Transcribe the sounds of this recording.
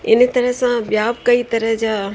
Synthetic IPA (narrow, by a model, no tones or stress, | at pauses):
ɪnt̪əɾəɦsãbjaːbkəit̪ɐɾəɦd͡ʒa